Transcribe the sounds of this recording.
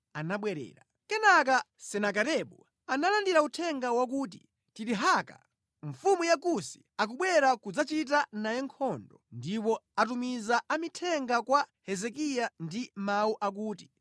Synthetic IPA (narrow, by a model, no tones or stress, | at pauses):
anaɓwɛɾɛ̰ːɾa | kɛnak̬a | sɛnak̬aɾɛɓu | analandiɾautʰɛŋɡawak̬uːt̬ḭ | tiɾiɦaka̰ | ɱfumujakusi̥ | ak̬uɓwɛɾakud͡zat͡ʃit̬anajɛŋkʰɔndɔndip̬ɔat̬umizaamitʰɛŋɡakwahɛzɛk̬ijandimauʔak̬uːti